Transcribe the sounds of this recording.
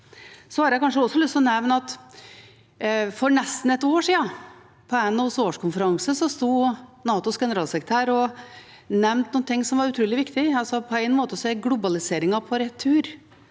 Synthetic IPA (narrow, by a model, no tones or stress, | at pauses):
sɔhɑːɾjæɪkɑnʂ̬əɔsːɔlʏst̪ɔnɛʋnəɑt̪ | fɔɾɳɛst̪n̩ɛt̪oːʂiːɑ | pʰɔæɪnːɑsoːʂkʰʊnfəɾɑŋsəsɔst̪uːnɑːt̪ʊsɡɛnəɾɑːlsɛkɾət̪ʰæːɾɔ | nɛmnt̪nuːnt̪ʰɪŋːsɔmʋɑɾʉt̪ʰɾʉːlɪʋɪkt̪ɪɑlsɔpʰɔæɪnmoːt̪əsɔɛɡlʊbɑlɪseːɾɪŋɑpʰɔɾɛt̪ʰːʉːɾ